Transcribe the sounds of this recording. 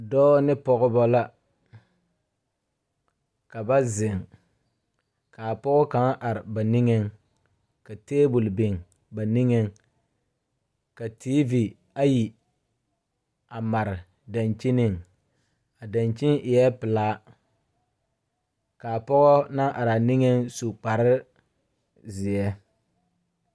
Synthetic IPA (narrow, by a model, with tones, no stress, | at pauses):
dɔː˦nɪ˦pɔ˦ɣɔ˦bɔ˦la˦ | ka˨ba˦zɪ˨ŋ | ka˨pɔ˦ɣɔ˦ka˨˦ŋ˦ʔa˨ɾɪ˨ba˨ni˦ŋɛ˦ŋ | ka˨teː˦bu˨lbɪ˨ŋ | ba˨ni˦ŋɛ˦ŋ | ka˨tiː˦vi˨ | a˦ji˨ | a˨ma˨ɾɪ˨ | da˨nt͡ʃi˦nɪ˦˨ŋ | a˨da˨nt͡ʃi˦ŋɪ˨jɛ˦pɪ˨laː˦ | ka˨pɔ˦ɣɔ˦na˦ʔa˨ɾa˨nɪ˦ŋɛ˦nsu˨k͡pa˨ɾɪ˦ | zɪ˨ɛ˦